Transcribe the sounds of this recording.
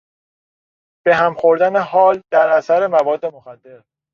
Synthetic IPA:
b̥e̞ɦæmxo̞ɾd̪æne̞hɒːld̪æɾʔæsæɾe̞mævɒːd̪ːe̞moxæd̪ːe̞ɾ

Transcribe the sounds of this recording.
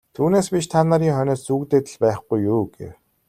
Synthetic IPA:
t̪ʰuːneːspit͡ɕt̪ʰanaɾiːŋχœnʲɔːsːuːkt̪eːt̪ɘ̆ɮpæːχɡujːuːɡḛw

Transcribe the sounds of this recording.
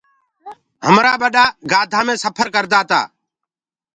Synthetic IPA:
həmɾaːɓəɗaːɡaːd̪ʱãːmẽːsəpʰəɾkəɾd̪aːt̪a̰ː

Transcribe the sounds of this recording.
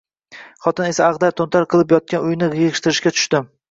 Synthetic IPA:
χɒt̪ɪne̞saːʁd̪aɾt̪ʰont̪ʰaɾqʰɨlˠɪpjɒt̪̚kʲanʊjnɪjeʁɨʃt̪ɪɾɪʃkʲat̪ʰʊ̥ʃt̪ɪ

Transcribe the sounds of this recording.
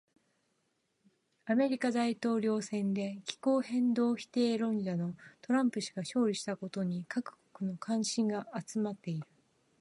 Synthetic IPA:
ame̞ɾʲikad̪ait̪o̞ːɾʲo̞ːsẽ̞nd̪e̞kʲi̥ko̞ːhẽ̞nd̪o̞ːçi̥t̪e̞ːɾõ̞ɲd͡ʑano̞t̪o̞ɾãmpɯ̟ɕi̥ɡ̥aɕo̞ːɾʲiɕi̥t̪ako̞t̪o̞ɲ̟ikakɯ̟̥ko̥kɯ̟no̞kʰãɰ̃ɕĩŋɡaːt͡sɨmat̪ːe̞iɾɯ̟

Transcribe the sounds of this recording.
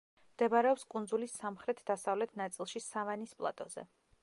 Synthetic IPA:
md̪̥ɛbaɾɛɔpskʼund̪zulisamχɾɛt̪ʰd̪asavlɛt̪ʰnat̪sʼilˠʃisavanispʼlˠa̰t̪ʼɔzɛ̰

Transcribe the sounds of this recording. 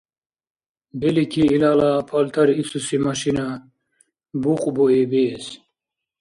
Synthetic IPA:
belikʰiːlaːlapʰɐlt̪ʰɐɾisusimɐɕina | buqʼboebeːs

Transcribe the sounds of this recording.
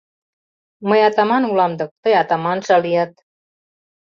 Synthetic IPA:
məjɑt̪ɑmɑnulɑmd̪ək̚t̪əjɑt̪ɑmɑnʃɑlijat̪̚

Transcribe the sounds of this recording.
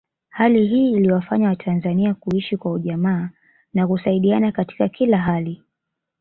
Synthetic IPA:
haliɦiːliwafaɲawatʰanzaniakuiʃikwauʄamaː | nakusaiɗianakati̥kakʰilaɦali

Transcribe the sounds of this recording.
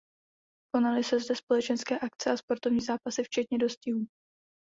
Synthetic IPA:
ko̞nalɪsɛzdɛspo̞lɛt͡ʃɛnskɛːʔak̚t͡sɛʔaspo̞ɾt̪o̞vɲiːzaːpasɪft͡ʃɛt̪ɲɛdo̞scɪɦuː

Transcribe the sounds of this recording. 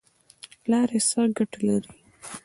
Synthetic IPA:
lɑɾesaɾɡaʈalaɾi

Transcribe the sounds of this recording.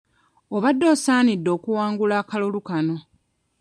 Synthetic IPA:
oβadːo̞ːsaːnidːo̞ːkuwaːŋɡulaːkalolukano̞

